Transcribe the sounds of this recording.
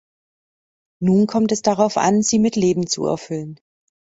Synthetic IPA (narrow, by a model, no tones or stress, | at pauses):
nuːnkʰɔmtɛsd̥aʁaʊfʔa̰nziːmɪtleːbm̩t͡sṵɛ̰ɐfʏlən